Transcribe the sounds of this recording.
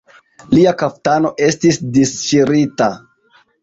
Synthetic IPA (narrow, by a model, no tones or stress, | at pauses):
liakaftano̞ʔe̞stisdist͡ʃiɾita